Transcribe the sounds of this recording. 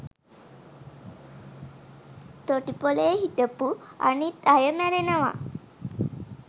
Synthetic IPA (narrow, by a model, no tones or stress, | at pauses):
t̪oʈipolejɦit̪əpua̰nit̪ajəmæɾenəʋa̰